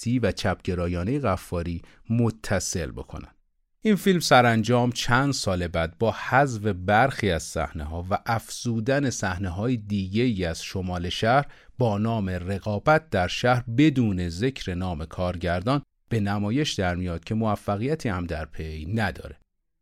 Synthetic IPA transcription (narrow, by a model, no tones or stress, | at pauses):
iːvæt͡ʃʰæpɟ̥e̞ɾɒːjɒːnejeɣæfːɒːɾiː | mot̪ʰːæse̞lbo̞̰kʰo̞̰næ̰nd̪ | ʔinfilmsæɾænd͡ʒɒːmt͡ʃʰænd̪sɒːle̞bæːd̪̚bɒːhæzve̞bæɾxiːæz̥sæ̰hneɦɒːvæʔæfz̥uːd̪æne̞sæhneɦɒːjed̪iːɟe̞iːæz̥ʃo̞mɒːle̞ʃæhɾbɒːnɒːme̞re̞ɣɒːbæt̪̚d̪æɾʃæhɾbe̞d̪uːne̞ze̞cʰɾe̞nɒːme̞kʰɒːɾɟæɾd̪ɒːn | b̥e̞næmɒːje̞ʃd̪æɾmijɒːd̪̥̚cʰe̞moæfːæɣijæt̪ʰiːhæmd̪æɾpʰe̞jnæd̪ɒ̰ːɾe̞